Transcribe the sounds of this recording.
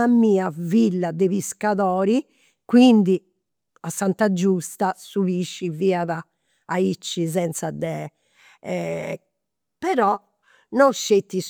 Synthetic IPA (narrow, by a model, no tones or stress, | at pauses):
amiːavilːad̪ɛβiskaðɔːɾi | kwind̪i | asːant̪ad͡ʒust̪asuβiʃːiviːaða | ait͡ʃːizɛnt̪sad̪ɛ | pɛɾɔ | nɔʃːet̪ːis